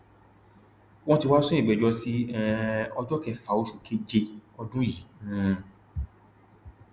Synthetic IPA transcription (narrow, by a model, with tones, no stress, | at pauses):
w̃ɔ̃˧ti˧wa˦sũ˦ĩ˦˨ɡ͡bɛ˨d͡ʒɔ˧si˦ɛɔ˧d͡ʒɔ˦kɛ˦˨fa˨˦o˧ʃu˨kʰe˦d͡ʒe˧ɔ˧dũ˦ji˨˦nũ˧˨